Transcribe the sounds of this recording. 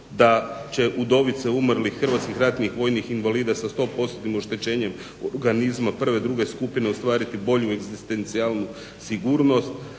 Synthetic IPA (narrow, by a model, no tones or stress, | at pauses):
d̪at͡ɕe̞ʔud̪o̞ʋit̪seumrlixːər̩ʋat̪skixɾat̪nixʋo̞jnixinʋaliːd̪asast̪o̞po̞st̪ot̪imo̞ʃt̪e̞t͡ɕe̞ːɲe̞m | oɾɡanizmapr̩ʋed̪ɾuɡe̞skupineost̪ʋaːɾit̪ibo̞ʎueɡzist̪e̞nt̪sialˠnu | siɡuːɾno̞st̪